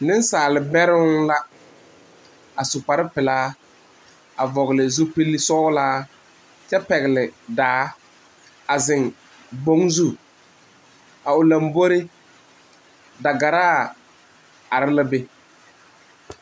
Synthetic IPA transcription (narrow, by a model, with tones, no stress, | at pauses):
nɪ˦n˦saː˨lɪ˨bɛ˦ɾɪ˦la˦ | a˨sʊ˨k͡pa˨ɾɪ˦pɪ˨laː˦ | a˨vɔ˨ɣlɪ˨zu˦pi˦lːi˦sɔ˦laː˦ | t͡ʃɛ˦pɛ˨ɣɪ˨lɪ˨daː˨˦ | a˨zɪ˨ŋ | bo˦ŋzu˦˨ | a˨ʊ˨la˨mbo˦ɾe˦ | da˨ɡa˨ɾaː˦˨ | a˨ɾɪ˦la˦be˦